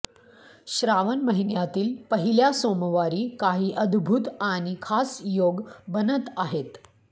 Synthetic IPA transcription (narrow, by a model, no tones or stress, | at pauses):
ɕɾaʋənməɦinjat̪iːlpəɦiljasoməʋaɾiːkaɦiːʔəd̪bʱut̪añikʰasjoɡbənət̪aɦet̪